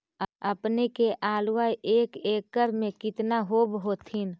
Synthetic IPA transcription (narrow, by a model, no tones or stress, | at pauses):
əpnekeʔaːlʋajʔeːkeːkːəɾmẽkɪt̪naɦoːbɦot̪ʰin